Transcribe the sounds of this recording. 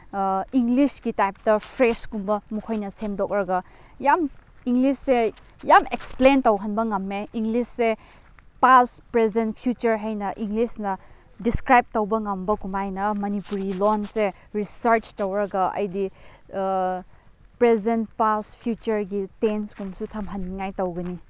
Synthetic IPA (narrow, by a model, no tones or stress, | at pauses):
iŋlisɡitajp̚tɐpʰɾeskumbɐmukʰojnɐsemdok̚ɾɐɡɐ | jamiŋlisːe | jameksplentowɦɐnbɐŋɐmːeiŋɡlisːe | paspɾezenpʰjut͡ʃɐɾɦajnɐʔiŋɡlisnɐ | diskɾajb̚towbɐŋɐmbɐkumajnɐmɐnipuɾilonse | ɾisɐɾt͡ʃtɐwɾɐɡɐɐ̰jdi | pɾezenpaspʰjut͡ʃɐɾɡitenskumsutʰɐmɦɐnːiŋajtowɡɐni